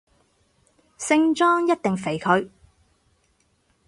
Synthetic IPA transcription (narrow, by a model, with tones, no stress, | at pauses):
sɪ˥ŋt͡ʃɔː˥ŋjɐ˥t̚t̪ɪ˨ŋfe˨˩jkʰɵ˨˧ɥ